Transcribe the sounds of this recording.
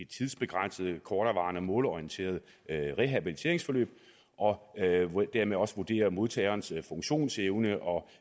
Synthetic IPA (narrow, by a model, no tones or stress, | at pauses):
e̥t͡sʰið̞ˠsb̥e̝ɡ̥ʁan̰səð̞ˠəkʰɒːɾ̥ɐʋɑ̈ːnəmɔ̰̽ːlɒiənt͡sʰe̝̰ːɐð̞̩ˠ | ʁeɦæb̥ilit͡sʰe̝ɐe̝ŋsfɒ̽lø̰ːb̥ | ʔɒ̽ | d̥æɐ̰meðˠɒ̽səʋud̥e̝̰ːɐmo̝ð̞ˠt͡sʰɛ̰ɪɐːnsfɔ̽ŋɕo̝̰ːnseʊnəʔɒ̽